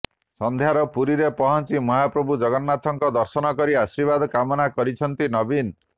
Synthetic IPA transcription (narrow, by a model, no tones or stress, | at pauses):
sɔnd̪ʱjaɾɔpuɾiɾepɔɦɔnt͡ʃimɔɦapɾɔbud͡ʒɔɡɔnːat̪ɔŋkɔd̪ɔɾsɔnɔkɔɾiasɾibad̪ɔkamɔnakɔɾit͡ʃʰɔnt̪inɔbin